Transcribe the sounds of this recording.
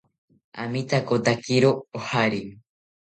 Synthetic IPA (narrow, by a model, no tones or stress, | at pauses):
a̰mit̪ʰakot̪akiɾoːhaɾi